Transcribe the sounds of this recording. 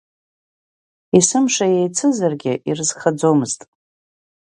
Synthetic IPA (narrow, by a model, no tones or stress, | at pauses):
isɨmʂajejt͡sʰɨzarɡʲɪʔirɨz̥χad͡zomɨztʼ